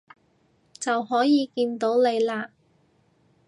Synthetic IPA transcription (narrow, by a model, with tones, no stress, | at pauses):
t͡sɐ˨whɔː˨˥jiː˨˧kiː˧nt̪o˨˥wne˨˧jlaː˧˥